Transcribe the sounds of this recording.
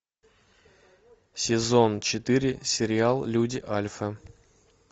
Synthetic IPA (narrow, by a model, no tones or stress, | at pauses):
sʲɪzont͡ɕɪt̪ɨɾʲɪsʲɪɾʲɪalˠlʲudʲɪʔalʲfə